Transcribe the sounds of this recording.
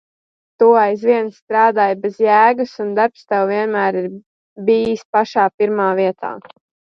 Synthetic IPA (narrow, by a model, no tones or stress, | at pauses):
t̪uːajzviɛnsːt̪ɾaːd̪aːjbezjæːɡusund̪aɾpst̪ɛwviɛnmæːɾiɾ | biːispaʃaːpiɾmaːviɛt̪a̰ː